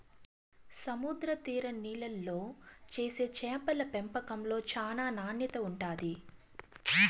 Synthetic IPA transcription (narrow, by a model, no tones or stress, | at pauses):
sɐmud̪ɾɐt̪iːɾɐniːlɐlːo̞ːt͡ʃe̞ːse̞ːt͡ʃɛːpɐlɐpempɐkɐmlo̞ːt͡ʃaːnaːnaːnjɐt̪ɐuɳʈaːd̪i